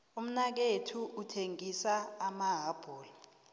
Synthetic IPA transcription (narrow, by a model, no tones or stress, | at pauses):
um̩nak̬etʰuʔutʰeŋisaːmaɦab̥ʱɔːla